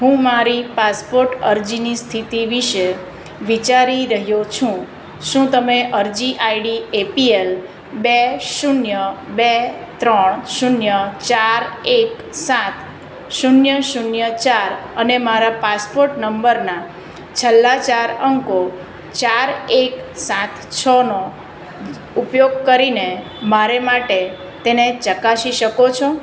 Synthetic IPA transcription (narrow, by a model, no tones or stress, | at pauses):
ɦũmaɾipaspoɾʈəɾd͡ʒinist̪ʰit̪iʋiʃe | ʋit͡ʃaɾiɾəɦjot͡ʃʰũ | ʃũt̪əmeʔəɾd͡ʒiʔaiɽiepiel | beʃunjəbe | t̪ɾəɳʃunjət͡ʃaɾek | sãt̪ | ʃunjəʃunjət͡ʃaɾənemaɾapaspoɾʈnəmbəɾna | t͡ʃʰəlːat͡ʃaɾəŋko | t͡ʃaɾeksãt̪ʰt͡ʃʰəno | upjoɡkəɾine | maɾemaʈe | t̪enet͡ʃəkaʃiʃəkot͡ʃʰõ